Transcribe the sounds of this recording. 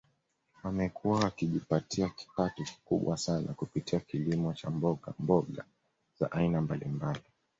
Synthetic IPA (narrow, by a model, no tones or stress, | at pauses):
wamɛkʰuwawakiʄipatʰiaki̥patɔki̥kuɓwasana̰kupitiakilimɔt͡ʃambɔɠa̰mbɔɠa | z̥a̰ʔainambalimbali